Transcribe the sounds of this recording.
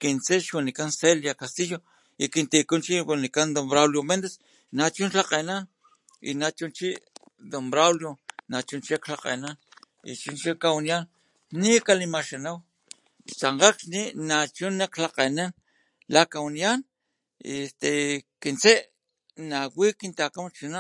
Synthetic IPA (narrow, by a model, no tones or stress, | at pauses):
kint͡seʃwinikanseljakast̪ijo | ikint̪ikunt͡ʃiwinikand̪ombɾawljomend̪es | nat͡ʃunlaqenan | ḭnat͡ʃunt͡ʃiʔ | d̪ombɾawljonat͡ʃunt͡ʃiklaqḛnan | ḭt͡ʃunt͡ʃikawnijan | nikalimaʃanaw | t͡saɴqakʃninat͡ʃunːaklaqenan | lakawinijan | ḭest̪ekint͡seʔ | nawikint̪akamt͡ʃinaʔ